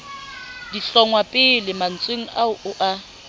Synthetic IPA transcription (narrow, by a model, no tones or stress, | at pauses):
diɬɔŋwapʼɪlɪman̩t͡sʼweŋ̩aʊʔʊʔa